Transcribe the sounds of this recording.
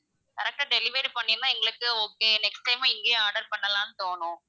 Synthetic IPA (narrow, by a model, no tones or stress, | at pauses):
kɐɾɐk̚ʈaːɖɛlɪʋeːʈpɐɳːɪnːaːɛŋɡɐɭɯkːɯokːɯnɛksʈʈɐɪmaɪŋɡeːaːɾɖɐɾpɐɳːɐlãːnɯt̪oːɳʊ̃